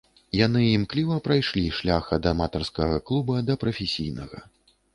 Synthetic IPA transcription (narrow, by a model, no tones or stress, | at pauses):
janɨimklʲivɐpɾajʂlʲiʂlʲaxɐd̪ɐmat̪ɐrskɐɣɐklˠubɐd̪ɐpɾɐfʲesʲijnɐɣɐ̰